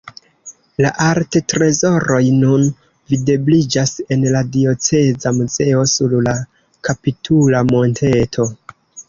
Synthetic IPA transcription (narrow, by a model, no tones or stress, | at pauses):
laʔaɾtetɾe̞zo̞ɾo̞jnun | vide̞blid͡ʒase̞nladio̞t͡se̞zamuze̞o̞suɾla | kapitʰulamo̞ntʰe̞tʰo̞